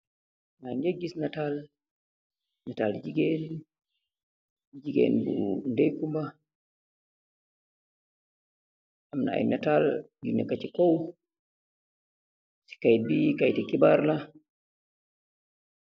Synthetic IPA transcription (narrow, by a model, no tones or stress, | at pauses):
nad͡ʒeɡːisnatal | natald͡ʒiɡɛn | d͡ʒiɡɛ̰nbṵndɛjkumba | ʔamna̰a̰jnatal | ɡinːɛkat͡ʃikɔw | si̥kajt̚bikajtɛkibaɾla